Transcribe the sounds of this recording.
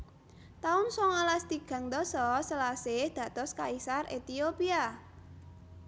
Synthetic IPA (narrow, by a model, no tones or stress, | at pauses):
t̪aʊnsɔŋalast̪iɡ̥ä̤ŋd̪ɔsɔsəlasɪhd̪̥ä̤t̪ɔskaisarʔet̪iopia